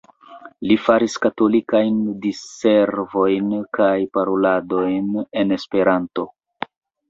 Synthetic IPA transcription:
lifaɾiskato̞likajndise̞ɾvo̞jnkʰajpaɾolado̞jne̞ne̞spe̞ɾanto̞

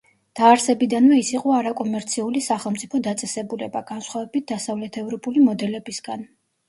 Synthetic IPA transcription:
d̪̥aːɾsɛbid̪anvɛisiqʼɔaɾakʼɔmɛɾt̪sʰiulisaχɛlˠmt̪sʼipʰɔd̪at̪sʼɛsɛbulɛbaɡ̥ansχwavɛbit̪̚ʰd̪asavlɛt̪ʰɛvɾɔpʼulimɔd̪ɛlɛbisɡan

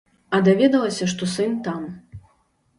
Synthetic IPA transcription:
ɐd̪avʲɛd̪ɐlˠɐsʲɐʂt̪ɔsɨnt̪am

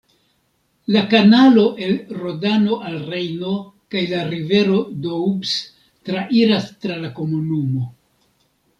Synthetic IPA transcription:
lakanalo̞ʔe̞lɾo̞dano̞ʔalrejno̞kajlaɾive̞ɾo̞doubs | tɾaʔiɾastɾalako̞munumo̞

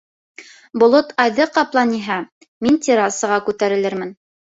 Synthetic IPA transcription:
bŏlˠot̪ʰɑjðɤqɑplˠɑniɦæ | mint̪ʲiɾɑsɤ̆ʁɑkʉt̪æɾɘ̆lɘɾmɘn

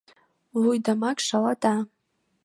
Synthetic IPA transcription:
wijdamakʼʂalatʼa

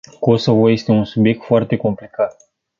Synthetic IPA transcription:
kosəvojest̪eunsubjek̚t̪foart̪eko̞mplikat̪̚

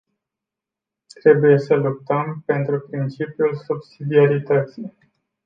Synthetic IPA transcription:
t̪ɾe̞buje̞səlup̚t̪əmpe̞nt̪ɾupɾint͡ʃipjulsubsid̪iaɾit̪ət̪sij

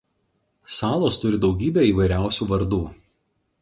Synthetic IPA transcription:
sɑːlˠoːst̪ʊɾʲɪd̪ɒʊɡʲiːbʲeːiːʋɐɪɾʲæˑʊsʲuːʋɐɾd̪uː

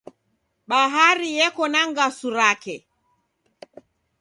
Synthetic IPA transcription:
ɓaɦaɾijɛkɔnaŋɡasuɾakɛ

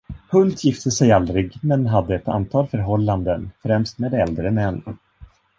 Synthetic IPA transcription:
hɵlt̪ʰjɪft̪əsɛjald̪ɾɪɡmɛnɦad̪ːəɛt̪a̰nt̪ʰɑːlfœɾɦɔlːand̪ənfɾɛmst̪meːd̪ɛld̪ɾənɛnː

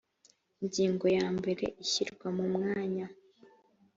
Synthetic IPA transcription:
iɲɟiːŋɡo̞jaːmbe̞ɾe̞̰ʔiçiɾɡwamumŋaːɲa

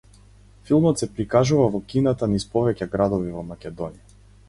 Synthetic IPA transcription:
filˠmɔt̪sɛpɾikaʒuvavɔkinat̪anispɔvɛcaɡɾad̪ɔvivɔmakʲɛd̪ɔnija

